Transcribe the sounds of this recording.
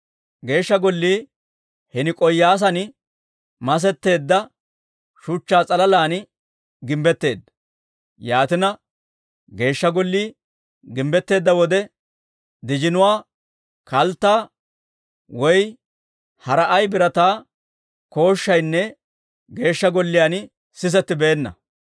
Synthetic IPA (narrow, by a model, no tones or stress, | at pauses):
ɡe̞ːʃːɐɡɔlːiː | hɛnɪkʼɔjːaːs̬ɐnɪ | mɐs̬ɛt̪ːe̞ːd̪ːɐ | ʃʊt͡ʃːaːt͡sʼɐlɐlaːn | ɡɪmbɛt̪ːe̞ːd̪ːɐ | jaːt̪ɪnɐ | ɡe̞ːʃːɐɡɔlːiː | ɡɪmbɛt̪ːe̞ːd̪ːɐwɔd̪ɛ | d̪ɪd͡ʒɪnʊwaː | kɐlt̪ːaː | wɔj | hɐɾɐʔɐjbɪɾɐt̪aː | ko̞ːʃːɐjnːɛ | ɡe̞ːʃːɐɡɔlːɪjaːn | sɪs̬ɛt̪ːɪbe̞ːnːɐ̰